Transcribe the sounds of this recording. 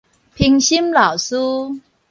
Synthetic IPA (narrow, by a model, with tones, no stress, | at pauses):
pʰi˧ŋɕi˦˥mla˨˩wsu˦